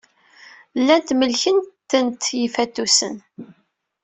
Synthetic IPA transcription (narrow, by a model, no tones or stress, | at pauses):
lːænt̪məlçənt̪ːənt̪jifæt̪ːusə̰n